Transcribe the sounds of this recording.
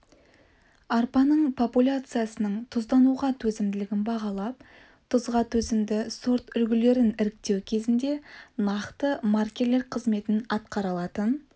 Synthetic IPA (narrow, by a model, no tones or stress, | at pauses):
ɑrpɑnəɴpʰo̞pulʲat̪sɨjasənəɴt̪ʰʊzd̪ɑnuʁɑt̪ʰɵzɪmd̪ɪlɪɡʲɪnbɑʁɑlˠɑp̚ | t̪ʰʊzʁɑt̪ʰɵzɪmd̪ɪso̞ɾt̪ʏlɡʲɪle̞ɾɪnɪɾɪk̚t̪e̞wkʲʰe̞zɪnd̪e̞nɑqt̪əmarkʲe̞ɾle̞ɾqʰəzme̞t̪ɪnɑt̪qɑɾɑlˠɑt̪ən